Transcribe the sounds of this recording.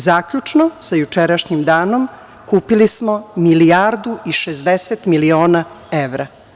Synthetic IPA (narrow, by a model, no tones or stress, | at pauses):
zaːkʎut͡ʃnosajut͡ʃeɾaʃɲimd̪aːnom | kuːpilismomiliaɾd̪uʔiʃezd̪eset̪milioːna | eʋɾa